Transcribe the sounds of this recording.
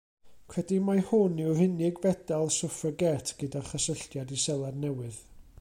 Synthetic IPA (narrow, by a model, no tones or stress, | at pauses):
kʰwɛdimahʊnɪwrɪnɪɡvɛdalˠsʊfəɡɛtʰɡ̥ədaχəsəɬtjadisɛlˠadnɛwɨð